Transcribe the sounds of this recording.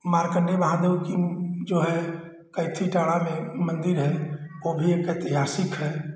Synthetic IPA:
maɾkəɳɖebəɦãd̪eukid͡ʒoɦɛ | kəɪt̪ʰːiʈaɽamemənd̪iɾɦɛobʱiekət̪iɦasikɦɛ

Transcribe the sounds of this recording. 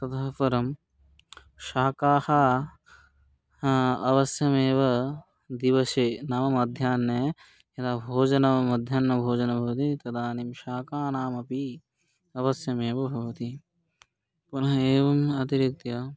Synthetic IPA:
t̪ɐt̪ɐɦɐpɐɾɐm | ʃaːkaːhɐː | ɐʋɐsjɐmeːʋɐ | d̪iʋɐseːnaːmɐmɐd̪ʱjaːnːeː | jɐt̪abʱoːd͡ʒɐnɐɐmɐd̪ʱjaːnːɐbʱoːd͡ʒɐnɐbʱɐʋɐt̪it̪ɐd̪aːnimʃaːkaːnaːmɐpi | ɐʋɐsjɐmeːʋɐbʱɐʋɐt̪i | punɐɦɐeːʋɐmɐt̪iɾik̚t̪ijɐ

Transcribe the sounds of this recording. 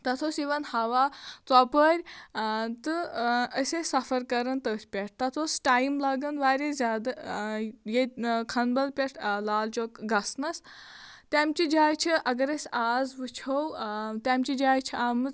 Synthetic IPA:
t̪ɐt̪ʰoːsiʋɐnhɐʋaːt͡sɔpəːɾʲ | t̪ɨəsʲesɐfɐɾkɐɾɐnt̪ətʲpʲɛʈ̚ʰt̪ɐt̪ʰosʈaːjmlɐɡɐnʋaːɾʲezʲaːd̪ɐ | jekʰɐnbɐlpʲeʈʰlaːlt͡ʃoːkɡɐsnɐst̪ʲamt͡ʃid͡ʒaːjt͡ʃʰiʔɐɡɐɾɐsʲaːzʋɨt͡ʃʰowt̪ʲamt͡ʃid͡ʒaːjt͡ʃʰiaːmɨz

